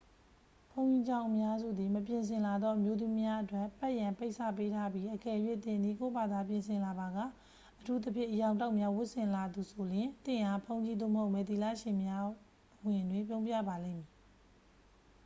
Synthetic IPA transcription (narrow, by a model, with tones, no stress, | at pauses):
pʰõ˦ʊ̃ɲi˦d͡ʑã˦˨ʊ̃ʔəmja˦zṵ˦˨d̪i˨məpjɪ̃˨ns̬ʰɪ̃˨la˨d̪ɔ˦ʔəmjo˦d̪mi˦mja˦ʔətwɛ˦˨ʔpɛ˦ʔjã˨mpe˦ɪʔsʰä̰˦˨pe˦tʰa˦bji˦ʔəkɛ˨ʔjwɪ˦˨t̪ɪ̃˨ndi˦˨ko˦˨ba˨d̪a˨p̬jɪ̃˨ns̬ʰɪ̃˨la˨ba˨ɡa̰˦˨ | ʔətʰu˦t̪ə˦pʰjɪ̰̃˦˨ʔəjã˨ʊ̃nt̬a˦ʊʔmja˦wʊ˦ʔsɪ̃˨la˨d̪u˨sʰo˨ljɪ̃˨t̪ɪ̰̃˦˨ʔa˦pʰõ˦ʊ̃ɲd͡ʑi˦d̪o̰˦˨məɦo˦ʊʔmɛ˨t̪i˨la̰˦˨ʃɪ̃˨mja˦ | wɪ̃˨dwɪ̃˨mp̬jõ˦ʊ̃mpja̰˦˨ba˨lḛ̃˦˨mji˨